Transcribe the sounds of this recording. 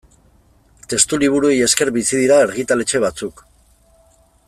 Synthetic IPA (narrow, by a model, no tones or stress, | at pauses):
t̪e̞st̪uliβ̞uɾue̞je̞ske̞ɾβisiðiɾaeɾɣit̪ale̞t͡ʃe̞β̞at͡suk